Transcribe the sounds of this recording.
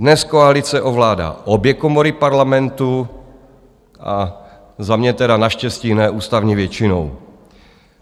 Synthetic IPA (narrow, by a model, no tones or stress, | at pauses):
dnɛskoalit͡sɛʔo̞vlaːda̰ːʔobjɛkomoɾɪpaɾlamɛnt̪u | ʔa̰ | zamɲɛt̪ɛdanaʃcɛsciːnɛːʔuːst̪avɲivjɛt͡ʃɪnow